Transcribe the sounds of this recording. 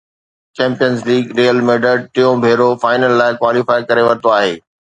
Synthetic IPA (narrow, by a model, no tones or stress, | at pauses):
t͡ʃɛ̃ːmpijənzliːɡɾiːjəlmeːɖəɾʈ̪ɪjõbʱeːɾofaːɪnəlːaːɪkwaːlɪfaːikɐɾeʋɐɾt̪oaːɦeː